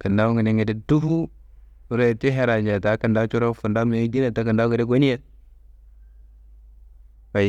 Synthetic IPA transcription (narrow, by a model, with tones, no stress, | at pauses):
kə˨nda˦wŋə˨ni˨ŋi˨di˦du˦fu˦˨ | ɾe˦˨ti˦ɦe˦ɾa˨ɲd͡ʒa˨ta˨˦kə˨nda˦t͡ʃu˦ɾo˦fu˨nda˦m˨e˨˦di˦na˨ta˨˦kə˨nda˦u˦ɡi˨de˦ɡʷo˦ni˦je˦ | ka˨